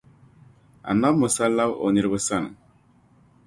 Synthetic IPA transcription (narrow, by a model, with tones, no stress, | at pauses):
a̰˨na˦mʊ˨sa˦lːa˦bo̰˨ni˦ɾbə˦sa˦n̰˨